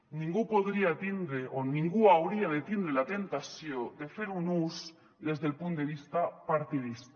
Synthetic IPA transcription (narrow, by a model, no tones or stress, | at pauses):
nĩŋɡupoðɾiat̪ind̪ɾeʔonĩŋɡuawɾiaðet̪ind̪ɾelat̪e̞nt̪asjod̪e̞feɾunus | d̪e̞zðelpunt̪d̪e̞β̞ist̪apaɾt̪iðist̪